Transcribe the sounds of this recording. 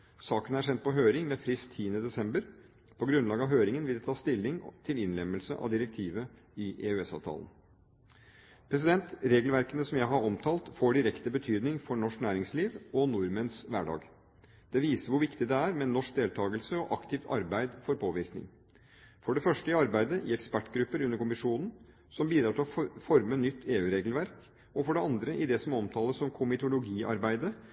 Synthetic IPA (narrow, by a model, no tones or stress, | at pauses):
sɑːkənæɾʂɛnt̪̚pʰɔɦøːɾɪŋmɛfɾɪstt̪ʰːiːənəd̪ɛsɛmbəɾ | pʰɔɡɾʉnlɑːɡəɑʋɦøːɾɪŋənʋɪld̪ɛt̪ʰɑːst̪ɪlːɪŋt̪ʰɪlɪnlɛmːəlsəʔɑ̰ʋd̪ɪɾɛk̚t̪ʰiːʋə | ɪʔeʉɛsɑ̰ːʋt̪ʰɑ̰ːlən | pʰɾɛs̬ɪd̪ɛnt̪ɾeːɡəlʋæɾkənəsɔmjæɪɦɑɾɔmt̪ʰɑːlt̪foːɖɪɾɛkt̪əbət̪ʰyːd̪nɪŋfɔɳɔʂknæːɾɪŋsliːʋɔnʊɾmənsʋæ̰ɖɑ̰ːɡ | d̪̥ɛʋiːsəɾʋʊɾʋɪkt̪ɪd̪ɛæːɾmɛnːɔʂk̚d̪eːlt̪ʰɑːɡəlsəɔʔɑkt̪ʰɪːʋɑ̰ɾbæɪd̪fɔɾpʰoːʋɪɾknɪ̰ŋ | fɔɖɛfœʂʈəɪɑɾbæɪd̪əʔɪɛkspæʈːɡɾʉpːəɾʉnːəɾkʰʊmɪʂuːnn̩ | sɔmbiːd̪ɾɑːt̪ʰɪlɔfɔɾmənːʏt̪ʰːeːʉːɾeːɡl̩ʋæɾk | ɔfɔɖɛɑnd̪ɾəʔɪd̪ɛsɔmɔmt̪ʰɑːləssɔmkʰʊmɪt̪ʊlʊɡiːʔɑ̰ɾbæɪd̪ə